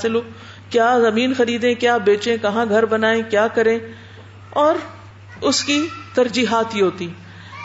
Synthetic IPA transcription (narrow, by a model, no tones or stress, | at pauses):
sɪloː | kjaːzɐmiːnxɐɾiːd̪ẽkjaːbeːt͡ʃẽkɐɦãɡʱɐɾbɐnaːẽkjaːkɐɾẽː | ɔːɾ | ʊskit̪ɐɾd͡ʒiːɦaːt̪ɦiɦoːt̪ĩ